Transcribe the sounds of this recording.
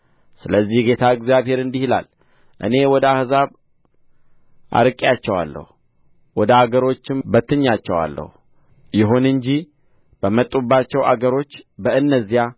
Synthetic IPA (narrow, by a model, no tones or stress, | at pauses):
sɨləzːihɡe̞t̪ʰaɨɡzijaβhe̞ɾɨnd̪ihla̰l | ʔɨ̰ne̞wɔd̪əahzaβ | ʔa̰ɾɨkʼjat͡ʃːɛwa̰lːə̰hu | wɔd̪əaɡəɾo̞t͡ʃːɪmbət̪ʰːɨɲːat͡ʃːɛwa̰lːə̰hu | jɪɦunɨɲd͡ʒi | b̥əmət̪ʼːubːat͡ʃːɛwa̰ɡəɾo̞t͡ʃːbəɨnːəzːija